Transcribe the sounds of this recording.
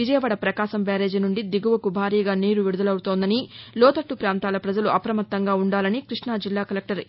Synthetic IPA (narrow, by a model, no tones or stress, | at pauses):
ʋid͡ʒɐjɐʋɐɽɐpɾɐkaːʃɐmbaːɾe̞ːd͡ʒnuɳɖid̪iɡuʋɐkubʱaːɾiːɡaːniːɾuʋiɽud̪ɐlɐwt̪oːnd̪ɐnilɔːt̪ɐʈːupɾaːnt̪aːlɐpɾɐd͡ʒɐluʔɐpɾɐmɐt̪ːɐŋɡaːuɳɖaːlɐnikɾiʂɳaːd͡ʒilːaːkɐlek̚ʈɐɾ